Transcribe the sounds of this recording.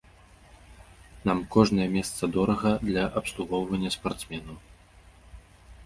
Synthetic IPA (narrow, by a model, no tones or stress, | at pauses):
namkɔʐnɐjɛmʲɛst̪sɐd̪ɔɾɐɣɐd̪lʲɐʔɐpslˠuɣɔwvɐnʲːɐspart̪smʲɛnu